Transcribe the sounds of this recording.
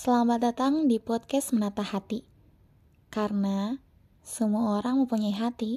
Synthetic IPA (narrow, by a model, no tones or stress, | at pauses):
səlambat̪̚dat̪aŋdipɔd̪̚kɛsmənat̪ahat̪i | karəna | səmuaoɾaŋməmpuɲajɦat̪i